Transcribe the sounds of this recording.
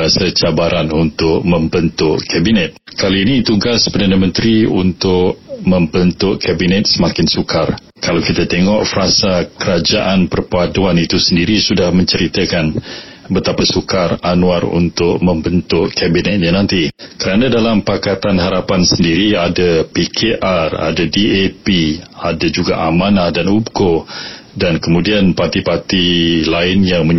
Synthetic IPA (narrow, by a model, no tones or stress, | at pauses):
asat͡ʃabaɾʔanunt̪ʊʔ̚mə̃mbənt̪ʊʔkabinɛt̪̚kaliːnit̪uɡaspərdanamə̃nt̪ɾiṵnt̪ʊʔmə̃mbənt̪ʊʔkabinɛt̪̚səmakɪnsukar | kalawkit̪at̪eŋɔʔfəɾasakəɾad͡ʒaʔanpərpaduanit̪usəndiɾisudahmə̃ɲt͡ʃəɾit̪əkanbət̪apasukaranuarṵnt̪ʊʔ̚mə̃mbənt̪ʊʔkabinɛt̪̚ɲanãnt̪ikəɾanãdalampakat̪anɦaɾapansəndiɾiadapikʰeʔara̰dadiepiadad͡ʒuɡa̰ʔamãnahdanubkodankəmũdianpat̪ipat̪ilaɪnjaŋmə